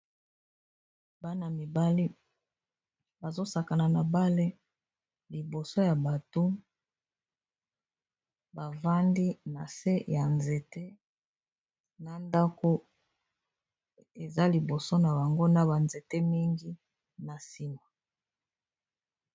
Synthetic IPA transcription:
ba˦na˨mi˨ba˦li˦ | ba˨zo˦sa˨ka˨na˨na˨ba˦le˦ | li˨bo˨so˦ja˨ba˨to˦ | ba˨va˦ndi˦na˨se˦ja˨nze˨te˦ | na˦nda˦ko˦ | e˨za˦li˨bo˨so˦na˨ba˨ŋɡo˦na˨ba˨nze˨te˦mi˦ŋɡi˦ | na˨si˦ma˨

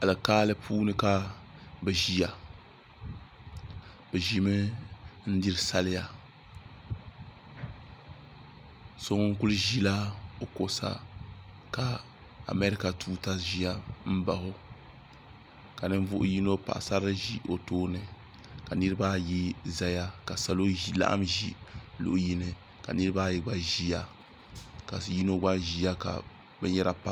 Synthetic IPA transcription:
a˨lɨ˨kaː˦lɨ˦pʰuː˦nɨ˦ka˦bɨ˨ʒi˦ja˨ | bɨ˨ʒi˨mɨ˦n̩˦di˦ɾɨ˦sa˦lɪ˦ja˨ | so˦ŋ˦ŋ̩˦ku˦lɨ˦ʒi˦la˦o˨ko˨sa̰˦ | ka˨ | a̰˨mɛ˦ɾɪ˦ka˨tʰuː˦ta˦ʒi˨˦a˦m̩˦ba˨hʊ˦ | ka˨nɨ˦ɱ˦vʊ˦ʔʊ˦ji˦no˦pa̰˨ʔsa˦ɾɨ˦ʒi˦ʔo˨toː˦nɨ˨ | ka˨nɨ˦ɾɨ˦ba˦ji˦za˦ja˦ka˨sa˨lo˦la̰˦ʔa̰˦mʒḭ˦lʊ̰˨ʔji˦nɨ˨ | ka̰˨nɨ˦ɾɨ˦ba˦jɛ˦ɡ͡ba˨ʒi˦ja˦ | ka˨ji˦no˦ɡ͡ba˦ʒi˦ja˦ka̰˨ | bɛ˦ɲɛ˦ɾa˦pa˦

